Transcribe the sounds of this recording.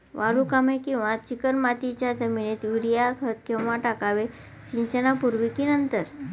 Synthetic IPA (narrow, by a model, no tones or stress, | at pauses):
ʋaɾukamekĩw̃ʋãt͡ɕikəɾmat̪it͡ɕjad͡zəminet̪ʋiɾijakʰət̪̚kemaʈakaʋe | ɕĩnt͡ɕənapuɾʋikinənt̪əɾ